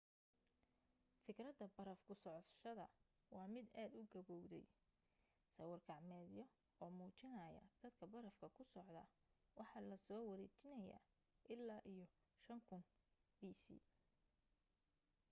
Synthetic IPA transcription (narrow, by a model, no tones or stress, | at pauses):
fɪkrɐd̪ɐbɐɾɐfkʰʊsɔʕɔt̪ʃɐðɐ̰ | wɑːmɪd̪aːd̪ʊɡɐβɔwðɛ̰j | sɐwɑrkʰɑʕmɛːðɪjɔ | ɔːmuːt͡ʃɪnɐjɐ̰d̪̥ɐd̪kʰɐbɐɾɐfkʰɐkʰʊsɔʕd̪ɐwɑħɑːlɐsɔːwɐɾɛːt͡ʃɪnɐja̰ː | ʔɪlːaːʔijɔ | ʃɐŋkʰʊn | b̥iːsḭː